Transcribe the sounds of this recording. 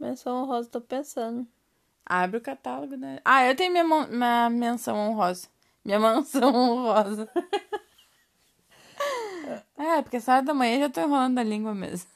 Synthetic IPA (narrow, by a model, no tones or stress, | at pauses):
mẽsɐ̃w̃õɦɔzɐt̪opẽsɐ̃nd̪ʊ | abɾɪʊkat̪aloɡʊnɛʔaewt̪ẽjʊmĩɲɐmɐ̃mĩɐmẽsɐ̃w̃ɐ̃õɦɔzɐ | mĩɲɐmẽsɐ̃w̃ɐ̃hɔzɐ | ɛpoɾkʲesɔɾɐd̪ɐmɐ̃j̃ɐeʒat̪oĩɦolɐ̃nd̪ʊɐlĩŋɡwɐmḛzmɐ